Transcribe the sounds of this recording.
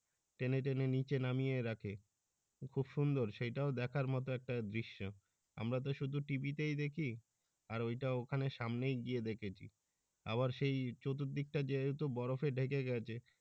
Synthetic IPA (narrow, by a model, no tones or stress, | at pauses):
ʈeneʈ̬enenit͡ɕenamijeɾakʰe | kʰubʃund̪oɾʃejʈaod̪ɛkʰaɾmɔt̪̬oɛk̚ʈad̪ɾiʃːo | a̰mɾat̪̬oʃud̪ʱuʈibit̪ejd̪ekʰi | aɾojʈaokʰaneʃamnejɡied̪ekʰet͡ɕʰḭ | a̰βaɾʃejt͡ɕot̪ot̪̚ːik̚ʈad͡ʑet̪obɔɾofeɖʱekeɡɛt͡ɕʰe